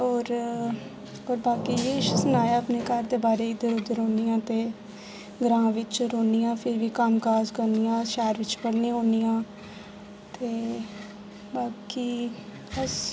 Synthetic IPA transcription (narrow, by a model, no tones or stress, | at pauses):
ɔːɾ | oːɾbaːkiːjeːʃsənaːjaəpneːkaɾd̪eːbaːɾeːid̪əɾʊd̪əɾoːnijãːt̪eː | ɡɾãːʋɪt͡ʃɾoːnijãːpʰɪɾʋiːkamkaːzkənijãːʃɛːɾʋɪt͡ʃpəɽneːɦõːnijãː | t̪eː | baːkiː | əs